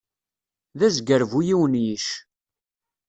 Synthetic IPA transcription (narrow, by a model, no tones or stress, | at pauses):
ðæzɡəɾvujiwənjiʃ